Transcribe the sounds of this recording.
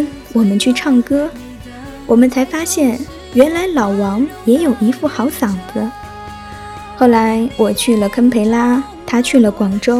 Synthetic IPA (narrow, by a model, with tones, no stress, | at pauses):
wɔ˨˩mə˦nt͡ɕʰy˥˧ʈ͡ʂʰɑ˥˩ŋkɤ˥ | wɔ˨˩mə˦nt͡sʰa˧˥ɪfa˥ɕjɛ˥˩n | ɥɛ˧˥nla˧˥ɪlɑ˨˩ʊwɑ˧˥ŋjɛ˧˥jo˨˩ʊi˧˥fu˥˩xɑ˧˥ʊsɑ˨˩ŋd̪ə˦ | xo˥˩ʊla˧˥ɪwɔ˨˩t͡ɕʰy˥˩lə˩kʰə˥npʰe˧˥ɪla˥ | t̪ʰa˥t͡ɕʰy˥˩lə˩kwɑ˨˩ŋʈ͡ʂo˥ʊ